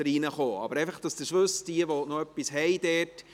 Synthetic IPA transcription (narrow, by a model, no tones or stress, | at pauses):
əɾinəχoːɑ̰bəɾɛɪfəχd̥ɑsd̥̪əʃʋɵsd̥iəʋɔnɔœpːishɛɪd̥ɛːt